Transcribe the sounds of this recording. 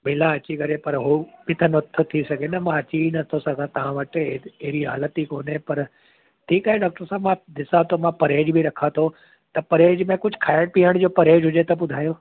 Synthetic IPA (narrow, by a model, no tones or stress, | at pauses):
mɪlãɐt͡ɕikɐɾepɐɾɦubɪt̪ʰənot̪ʰot̪ʰisɐɡʱenɐmãɐt͡ɕiinɐt̪ʰosɐɡãt̪ɐʋ̤ãʋɐʈeɦɾiɦa̰ːlət̪ikoːnɦepɐɾ | ʈʰiːkaːɦeɖaːk̚ʈəɾsãmãd̪ɪsat̪ʰomãpɐɾeːd͡ʑbʱiɾɐkʰat̪ʰo | t̪ɐpɐɾeːd͡ʑmẽkʊd͡ʑʱkʰaːɪɽpiəɽ̃d͡ʑoːpɐɾeːd͡ʑɦʊd͡ʑet̪ɐbʊd̪ʱaːjoː